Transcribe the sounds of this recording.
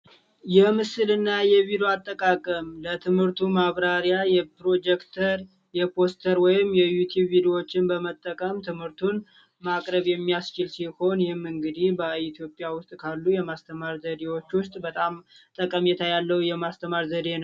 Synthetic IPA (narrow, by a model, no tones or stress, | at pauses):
jɛmɨsɨlɨnːajɛβid̪joat̪ʼːəkʼakʼəmlət̪ʰɨmhɨɾt̪ʰumaβɾaɾjajɛpɾo̞d͡ʒɛkt̪ʰəɾ | jɛpʰo̞st̪ʰəɾwɔjɪmːjɛjut̪ʰjubːid̪iwo̞t͡ʃːɪnbəmət̪ʼːəkʼəmt̪ʰɨmhɨɾt̪ʰun | makʼɾəβjɛmːijast͡ʃɪlsiho̞njɪhɪmːɨŋɡɨd̪ihbəit̪ʰjo̞pʼːjawʊst̪ʼkʰalːujɛmast̪ʰəmaɾzəd̪e̞wo̞t͡ʃːwʊst̪ʼbət̪ʼamt̪ʼəkʼəmjɛt̪ʰajalːəwjɛmast̪ʰəmaɾzəd̪e̞nəw